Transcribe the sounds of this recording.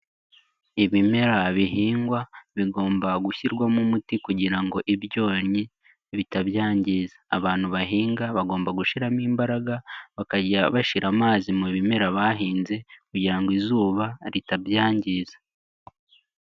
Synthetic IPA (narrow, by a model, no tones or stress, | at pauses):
iβime̞ɾaβiɦiːŋɡwaβiɡo̞ːmbaɡuçiɾɡwamumutikuɟiɾaŋɡo̞ʔibjo̞ːɲi | βitaβjaːɲɟizḁːβaːn̥huβaɦiːŋɡaβaɡo̞ːmbaɡuʃiɾamiːmbaɾaɡaβakaɟaβaʃiɾʔamaːzimuβime̞ɾaβaɦiːnze̞kuɟiɾaŋɡizuːβaɾitabjaːɲɟiːzḁ